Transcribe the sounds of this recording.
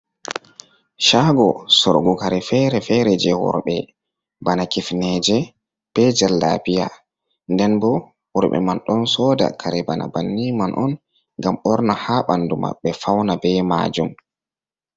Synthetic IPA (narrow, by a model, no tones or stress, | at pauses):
ʃaːɡɔsɔ̰ɾɡukaɾɛfɛɾɛfɛɾɛd͡ʒɛwɔ̰ɾɓɛ | banakifnɛd͡ʒɛ | b̥ɛd͡ʒalːa̰bija̰ | ndɛnbɔ | wɔɾɓɛ̰manɗɔnsɔːda̰kʰaɾɛbana̰banːimanʔɔn | ŋɡamɔɾnahaɓanduma̰ɓːɛfawnabɛma̰ːd͡ʒum